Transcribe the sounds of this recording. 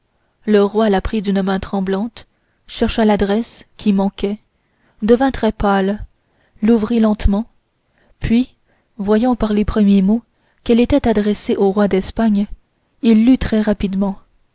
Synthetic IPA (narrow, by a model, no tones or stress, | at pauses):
ləʁwalapχid̪ynmɛ̃t̪χɑ̃blɑ̃t̪ | ʃɛʁʃalad̪ʁɛskʲʰimɑ̃kʲɛ | d̪əvɛ̃t̪χɛpal | luvʁilɑ̃t̪mɑ̃ | pɥi | vwajɑ̃paʁlepχəmjemo | kɛlet̪ɛt̪ad̪ʁɛseʔoʁwad̪ɛspaɲ | ilːyt̪χɛʁapid̪mɑ̃